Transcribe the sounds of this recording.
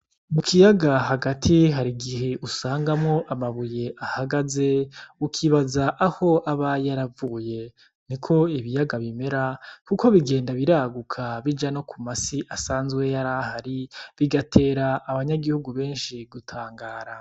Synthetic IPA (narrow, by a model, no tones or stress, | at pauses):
mukʰijaɡaɦaɡatʰiɦaɾiɡihe̞ʔusaːŋɡamŋo̞ʔamaβuje̞ʔahaɡaze̞ukʰiβazaʔaho̞aβajaɾavuːje̞ | nikʰo̞iβijaɡaβime̞ɾakuko̞βiɡe̞ːndaβiɾaɡukʰaβid͡ʒano̞kʰumasiʔasaːnzɡwe̞jaɾahaɾiβiɡatʰe̞ːɾaʔːβaɲaɡihuɡuβe̞ːnʃiɡutʰaːŋɡaːɾa